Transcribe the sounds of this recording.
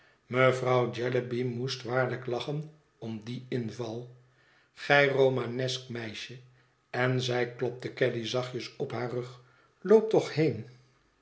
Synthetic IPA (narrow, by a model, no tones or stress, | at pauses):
məvrɑwd͡ʒɛləbimustʋaːɹləklɑχən | ɔmdiɪnvɑlˠ | χɛjrowmanɛskmɛjʃə | ɛnzɛjklɔp̚təkɛdizɑχjəsɔpɦaːrɵχ | lowp̚tɔχhejn